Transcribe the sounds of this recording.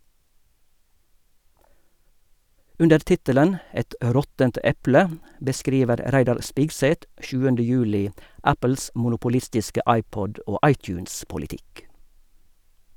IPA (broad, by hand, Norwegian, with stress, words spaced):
ˈʉndəɹ ˈtɪtələn ˈɛt ˈʔɾɔtənt ˈɛplə bəˈskɾiːʋəɾ ˈɾæɪdɑɾ ˈspɪɡsɛt ˈʔʃʉːəndə ˈjʉːlɪ ˈæpəl̩s mʊnʊpʊˈlɪstɪskə ˈɑɪˌpɔd ˈoː ˈɑɪˌtjʉːnspʊlɪˌtɪk